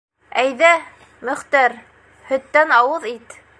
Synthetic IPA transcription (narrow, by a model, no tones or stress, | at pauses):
æjðæ | mɵ̆χt̪æɾ | hɵ̆t̪ːænɑwɤðit̪